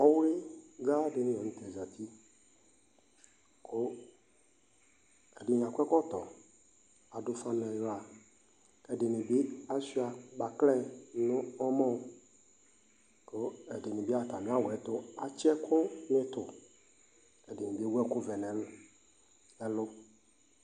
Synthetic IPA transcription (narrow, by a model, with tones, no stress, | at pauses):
ɔ˦we˦ɡa˦de˨nɪ̃˦jɔ˨nĩ˦t̪e˨za˨t̪ʰi˦ | kʰo˦ | ɛ˨dɪ˨ɲ˨ã˨kɛ˦kɔ˦t̪ɔ˨ | a˨dʊ˦fa˦mɛ˨jɔ˦a˨ | ɛ˨dɪ˨nɪ̃˨bi˦a˦si˦a˨ba˨klɛ˦nʊ̃˦ɔ˦mɔ̃˦˨ | ko˦ɛ˨de˨nẽ˨bi˦a˦˨t̪a˨nẽ˨˦a˦˨wɔ˨ɛ˦t̪ʊ˦a˨t͡ʃɛ˦kʰʊ˦nɪ̃˦t̪ʊ˨ | ɛ˨dɪ˨nẽ˨bi˦wɛ˦kʊ˦vɛ˨nɛ̃˨l | ɛ˦lʊ˦